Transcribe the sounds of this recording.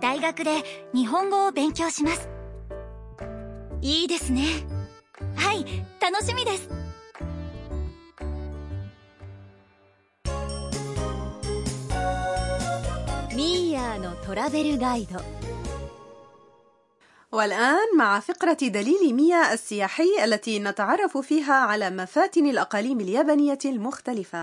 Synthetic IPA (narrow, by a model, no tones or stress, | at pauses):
d̪̥aiɡakɯ̟d̪e̞ɲ̟iɦõ̞ŋɡo̞ːbẽ̞ŋkʲo̞ːɕimasɨ̥ | iːd̪e̞sɨne̞ | hait̪ano̞ɕimʲid̪e̞sɨ̥ | mʲiːjaːno̞t̪o̞ɾabe̞ɾɯ̟ɡaid̪o | walʔaːnmaʕafɪqɾɑd̪aliːlɪmɪjaːʔasːɪjaːħɪjːʔalːat̪iːnat̪aʕɑrˤːɑfʊfiːɦaːʕalaːmafaːt̪ɪnalʔɑqɑːliːmaljabanɪjːalmʊxt̪alɪfa